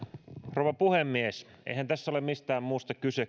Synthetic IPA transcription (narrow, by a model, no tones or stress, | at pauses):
rouʋɑpuhemːies | ḛihænt̪æsːæolemmist̪æːmmuːst̪ɑkyse